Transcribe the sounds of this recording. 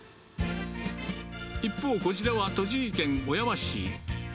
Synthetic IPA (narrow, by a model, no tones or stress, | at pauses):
ipːo̞ːko̞d͡ʑid̪e̞βat̪o̞ʑiikẽ̞ŋo̞jaβaɕḭ